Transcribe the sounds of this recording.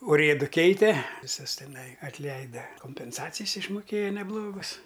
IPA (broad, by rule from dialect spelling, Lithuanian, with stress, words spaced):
ʊˈrʲeːdʊ ˈkʲɛɪtʲɛ ʋʲɪˈsʊs tʲɛˈnɐɪ ɐtʲˈlʲɛɪdɐ koːmʲpʲɛnˈsɑːt͡sʲɪjs ɪʃmʊˈkʲeːjɛ nʲɛˈblˠoːɡʊs